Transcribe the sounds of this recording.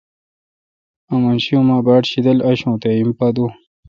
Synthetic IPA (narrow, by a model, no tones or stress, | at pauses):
ɐmɐnɕijõmaːbaːʈɕid̪ɐlɐɕõːt̪eimpad̪u